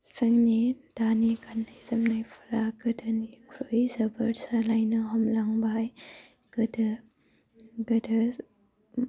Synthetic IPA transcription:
sɐŋnid̥anikʰanːajzɐmnajpʰḁɾaɡɯdɐnikʰuɾojzɐbɐɾsalajnɐɦɐmlaŋbaaj | ɡ̥ɯdɐ | ɡɯdɐ

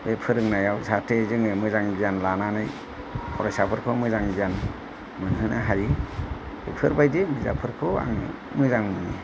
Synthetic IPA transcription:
bepʰɯɾɯŋnajawsatʰezɯŋɯmɯzaŋzijanlananɯj | pʰɔɾɔjsapʰɯɾkʰɯmɯzaŋzian | mɯnhɯnʔaɦaji | bepʰɯɾbajdemiza̰pʰɯɾkʰɯa̰ŋ̰ | mɯzaŋmɯnḭ

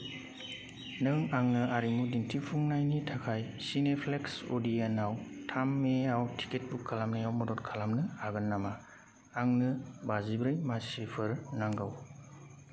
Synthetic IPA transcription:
nɯŋaŋnɯaɾimudintʰipʰuŋnajnitʰakʰajsinepʰleksodijanawtʰamːeawtʰi̥ket̚bukʰːalamnɯjawmɔdɔtkʰalamnɯaɡɯnːamaː | ŋnɯbazibɾɯjmasipʰɯɾnaŋɡaw

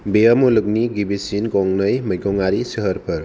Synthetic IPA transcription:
beəmulɯk̚niɡibisinkɔŋnəjmɐjɡɔŋaɾisɯɦəɾpʰɐɾ

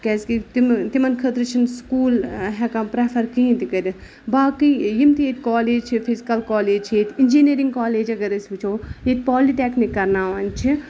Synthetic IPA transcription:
kɛːskit̪imt̪imɐnkʰət̪ɾɨt͡ʃʰinskuːlɦɛkãpɾepʰɐɾkĩːnt̪ikɐɾʲi | baːkijimt̪ijet̪̚ʲkaːleːd͡ʒt͡ʃʰipʰizikɐlkaːleːd͡ʒt͡ʃʰjet̪ʰind͡ʒiniːɾiŋɡkaːleːd͡ʒɐɡɐɾɐsbit͡ʃʰoːjet̪ʲpaːliʈeːknikːɐɾnaːʋaːnt͡ʃʰi

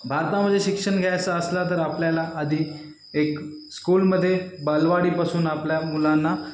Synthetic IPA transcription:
bʱaɾt̪amədd͡zʱːeɕikʂəɳɡʱjajt͡saəslat̪̬əɾapljalaʔəd̪ʱiː | ekskuːlməd̪ʱːjebəlʋaɽiːpasuːnapljamulãnːa

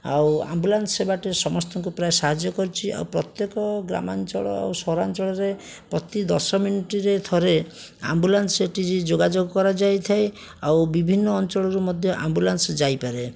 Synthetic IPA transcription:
a̰wa̰mbulansebaʈesɔmɔst̪ɔŋkupɾaesaɦad͡ʒjɔkɔɾit͡ʃʰia̰wpɾɔt̪jekɔɡɾa̰mant͡ʃɔɭɔ̰a̰wsɔɾant͡ʃɔɭɔɾe | pɾɔt̪id̪ɔsɔminiʈiɾet̪ʰɔɾe | a̰mbulanseʈid͡ʒid͡ʒoɡad͡ʒoɡɔkɔɾad͡ʒajt̪ʰaj | awbibʱinːɔːnt͡ʃɔɭɔɾumɔd̪ʱjɔʔa̰mbulansd͡ʒajpaɾe

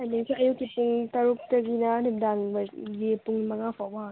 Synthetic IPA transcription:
aniŋsʰiɐjukːipuŋtɐɾuk̚tɐɡinanip̚daŋbɐɡipuŋmɐŋapʰawaɦaŋ

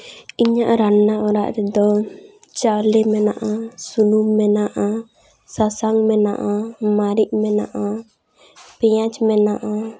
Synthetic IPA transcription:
iɲaʔɾanːaɔɾa̰ʔɾɛd̪ɔ | t͡ʃawlɛmɛnaʔasunumːɛnaʔa | sasaŋmɛna̰ʔamaɾiʔ̚mɛnaʔa | pɛjãt͡ʃmɛnaʔa

